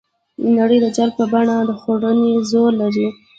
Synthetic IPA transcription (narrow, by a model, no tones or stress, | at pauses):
ənaɽəjd̪əd͡ʒal̚pəbaɳad̪əxoɽənezoɾlaɾi